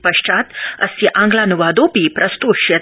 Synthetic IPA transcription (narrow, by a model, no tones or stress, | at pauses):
pɐʂʈ͡ʂaːt̪ɐ̰siʔãŋɡlanuʋad̪oːpipɾʔɐst̪uʃjɐ